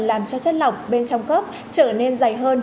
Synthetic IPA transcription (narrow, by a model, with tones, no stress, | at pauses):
nlaː˨˩mt͡ɕɔ˧t͡ɕə˦˥t̚la˨˩wk͡pk͡p̚ɓe˧nt͡ɕɔ˧wŋ͡mkə˦˥p̚ | t͡ɕəː˧˩ne˧nza˧˩jɦəː˧n